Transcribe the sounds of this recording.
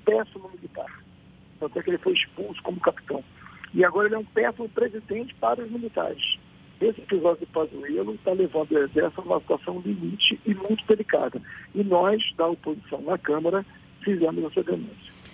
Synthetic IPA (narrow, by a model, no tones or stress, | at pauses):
pɛsʊnʊ̃milit̪a̰ɾ | t̪ɐ̃nt̪ʊɛkɪelɪfojiʃpuwsʊ̥kõmʊkapi̥t̪ɐ̃w̃ɪaɡɔɾɐelɛũpɛsʊnʊ̃pɾezid̪ẽnt͡ʃɪ̥paɾɐʊzmilit̪a̰ɾɪʃ | esɪepizɔd͡ʒʊd̪ɪpazuelʊt̪alevɐ̃nd̪ʊezɛɾst̪ãũmɐsit̪wasɐ̃w̃limit͡ʃɪʔɪmũj̃t̪ʊd̪elika̰d̪ɐɪnɔzd̪ɐopozisɐ̃w̃nɐkɐ̃mɐɾɐ | fizẽmʊzɐsuɐɡ̪enṵ̃sjɐ̥